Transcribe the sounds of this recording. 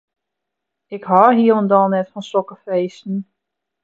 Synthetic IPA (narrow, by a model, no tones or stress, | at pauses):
ɪkhɔrɦiəlˠəndɔlˠnɛtfɔnsɔkəfeːstn̩